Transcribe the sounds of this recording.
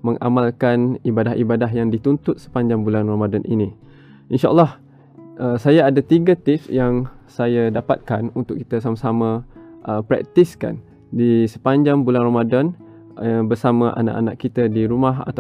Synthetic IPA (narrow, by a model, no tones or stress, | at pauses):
mə̃ŋʔa̰malkanibadaɦḭbadaɦjaŋdit̪unt̪ʊt̪̚sə̥paɲd͡ʒaŋbulanramadanʔḭni | ʔinʃa̰ʔə̰lːɑh | ʔəsajaadat̪iɡat̪ifsjaŋsajadapa̰t̪̚kanunt̪ʊkːi̥t̪asamasamãʔəpɾɛ̰k̚t̪iska̰n | disə̥paɲd͡ʒaŋbulanramadan | bərsamaʔa̰na̰ʔa̰na̰ʔkːit̪adiɾumaɦa̰t̪a